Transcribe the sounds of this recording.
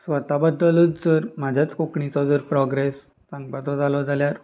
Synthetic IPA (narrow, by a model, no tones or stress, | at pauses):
sʋət̪abəd̪ːəlut͡sd͡zəɾm̤ad͡ʑʱjat͡skokɳit͡sɔd͡zəɾpɾɔɡɾes | sãŋɡbat͡s̪ɔd͡zalɔd͡zʱaljaɾ